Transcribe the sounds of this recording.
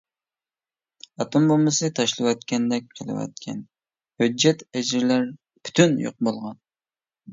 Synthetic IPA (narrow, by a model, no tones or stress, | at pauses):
ɑt̪ombomɨsɨt̪ʰɑʃlˠɨwɑt̪̚kʲʰɛnd̪ɛk̚ʲqʰəlˠɨ̰wɛ̰t̪̚kʲʰɛn | hød͡ʒːɛt̪ɛd͡ʒɪɾlæɾ | pʰy̥t̪ʰynjo̰q̚bolˠʁɑn